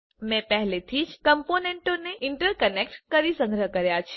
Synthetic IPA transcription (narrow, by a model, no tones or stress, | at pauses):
mɛ̃pɛɦlet̪ʰid͡ʒkəmponeɳʈoneʔɪɳʈəɾkənek̚ʈkəɾisə̃ŋɡʱɾəkəɾjat͡ʃʰ